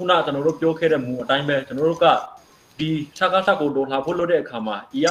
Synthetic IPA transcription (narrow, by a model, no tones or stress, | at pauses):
kʰṵnä̰t͡ɕənɔɾo̰pjɔkʰɛ̰ɾɛ̰mũʔətãɪ̃mbɛt͡ɕənɔɾo̰ɡä̰ | d̪isʰakasʰakːotɔlapʰo̰loʔtːɛʔəkʰamaʔeja